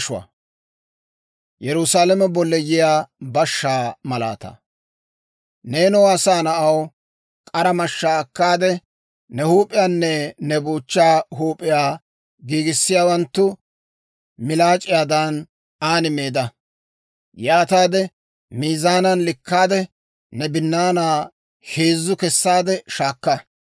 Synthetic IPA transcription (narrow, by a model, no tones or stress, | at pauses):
ʃʊwɐ̰ | jɛɾʊsaːlɛmɛbɔlːɛjɪjaːbɐʃːaːmɐla̰ːt̪ɐ̰ | neːnɔwɐsaːnɐʔɐw | kʼɐɾɐmɐʃːaːkːaːd̪ɛ | nɛhuːpʼɪjaːnːɛnɛbuːt͡ʃːaːɦuːpʼːɪjaː | ɡiːɡɪsːɪjaːwɐnt̪ːʊ | mɪlaːt͡ʃʼːɪjaːd̪ɐn | aːnɪmeːd̪ɐ | jaːt̪aːd̪ɛ | miːzaːnɐnlɪkːaːd̪ɛ | nɛbɪnːaːnaː | heːzːʊkɛsːaːd̪ɛʃaːkːɐ